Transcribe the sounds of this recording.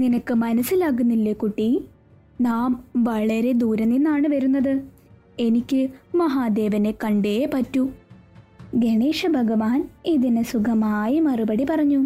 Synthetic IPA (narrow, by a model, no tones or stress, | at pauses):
ninɐkːɨmɐnɐsːilaːɣunːilːekuʈːi | naːmʋɐɭɐɾe̞d̪uːɾɐnːinːaːɳɨʋɐɾunːɐðɨ | e̞nikʲːɨmɐɦaːd̪e̞ːʋɐne̞kɐɳɖejepɐtːu | ɡeɳeːʂɐbʱɐɡɐʋaːniðinesukʰɐmaːjimɐrubɐɽipɐrɐɲːu